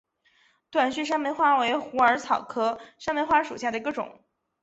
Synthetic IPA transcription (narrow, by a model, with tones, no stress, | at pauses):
t̪wa˨˩nɕy˥˩ʂ̬a˥me˧˥ɪxwa˥we˧˥ɪxu˧˥ə˞˧˥t͡sʰɑ˨˩ʊkʰɤ˥ʂnme˧˥ɪxwa˥ʂu˨˩ɕja˥˩d̪ə˩i˧˥ɡə˧ʈ͡ʂʊ̰˨˩˦ŋ